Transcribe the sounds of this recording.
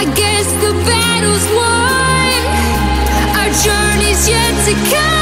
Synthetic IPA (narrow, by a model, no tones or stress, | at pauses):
ɪɡɛsðəbæ | ɾl̩ˠzwã | n | ad͡ʒɜ˞nizjɛtʰɨkʰʌ